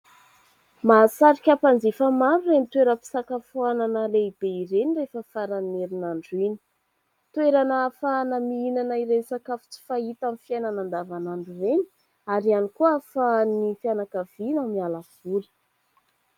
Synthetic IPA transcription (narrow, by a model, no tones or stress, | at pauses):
masaɾikʲapand͡zifamaɾuremit̪weɾəpi̥sakafuananəleib̥eiɾenirefəfaɾaneɾinaɳɖ͡ʐini̥ | t̪weɾanafanamiinanaiɾensakafu̥t͡si̥fait̪amifjajnanand̪avanaɳɖ͡ʐureni̥ | aɾianikuəfanifianakav̥inamialav̥uli̥